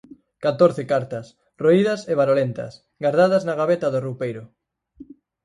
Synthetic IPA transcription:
kat̪oɾθɪkaɾt̪ɐs | roiðɐseβaɾolent̪ɐ̰s | ɡaɾðað̞ɐznaɣaβet̪ɐðorupejɾʊ

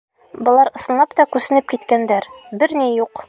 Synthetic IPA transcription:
bŏlˠɑɾɤ̆sɤ̆nlˠɑpt̪ɒkʉsɘ̆nɘp̚kit̪kænd̪æɾbɘɾnijuq

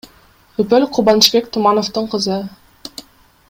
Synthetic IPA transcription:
ɵpølʲqʰʊbɑnʃbe̞kt̪ʰumɑnoft̪ɯɴqʰəzɯ

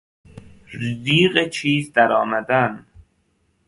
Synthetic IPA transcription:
ziːɢet͡ʃʰiːzd̪æɾɒːmæd̪æn

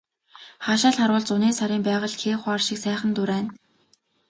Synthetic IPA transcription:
χaːʃaːɮχaɾwʊːɮt͡sʊneːsaɾiːmpæːʁə̆ɮxeːχʷarʃɪ̆ksæːχə̆nt̪ʊɾæːn

